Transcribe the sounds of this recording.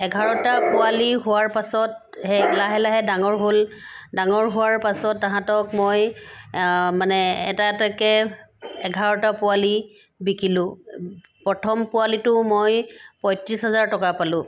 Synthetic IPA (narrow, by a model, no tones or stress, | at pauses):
ɛɡʱaɹɔtapʊaliɦʊwaɹpasɔt̚ | hɛlaɦɛlaɦɛdaŋɔɹɦoldaŋɔɹɦʊwaɹpasɔtːaɦãtɔkmoj | manɛɛ̰tatakɛɛɡʱaɹɔtapʊwali | bikʰilʊ̃ | pɹɔtʰɔmpʊalitʊmojpɔjtɹisɦɛzaɹtɔkapalʊ̃